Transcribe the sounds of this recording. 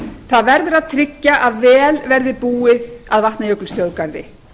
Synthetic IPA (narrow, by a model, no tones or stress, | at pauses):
θaðvɛɾðʏɾaðt̪ʰɾɪcːaʔaðvɛːlvɛɾðɪpuːɪð̥aðvaht̪najœklst̪jowðkaɾðɪ̰